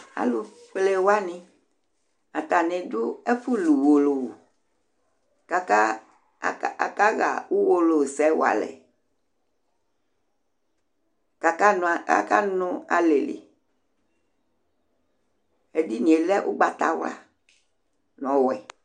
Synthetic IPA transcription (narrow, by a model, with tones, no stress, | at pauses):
a̰˨lu˨ɸle˨wa˦nĩ˨ | a˨t̪a˨nẽ˨dʊ˦e˦fu˦lu˨wo˨lo˨wo˨ | ka˨ka˦˨ | ka˦ɣa̰˨wu˦wo˦lo˨sɛ˨˦wo˦a̰˨lɛ̰˨ | ka˨ka˦n˨ka̰˨ka˦nʊ̃˦a˨le˨lḛ˨ | e˦di˦nĩ˨e˨lɛ˦ʔṵ˦ɡ͡ba˨t̪a̰˦wla̰˨ | n˨ɔ̃˨wɛ˨